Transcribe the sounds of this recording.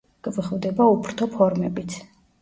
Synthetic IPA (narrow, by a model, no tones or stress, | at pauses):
ɡ̥ʼvχvd̪ɛbaupʰɾt̪ʰɔpʰɔɾmɛbit̪sʰ